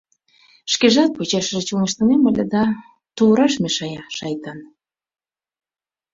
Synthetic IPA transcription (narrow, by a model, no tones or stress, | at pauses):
ʃkeʒɑt̪̚pot͡ɕɑʃəʒet͡ɕulnəʃt̪ɤneməlʲed̪ɑ | t̪uɾɑʃmeʃɑjɑʃɑjt̪ɑn